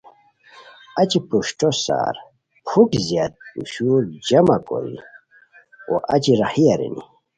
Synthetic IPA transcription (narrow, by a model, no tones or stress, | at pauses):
at͡ɕipuɕʈosa̰ɾ | pʰukzijat̪̚puɕuɾd͡ʑɐmako̰ɾḭ | oʔat͡ɕiɾahiaɾḭnḭ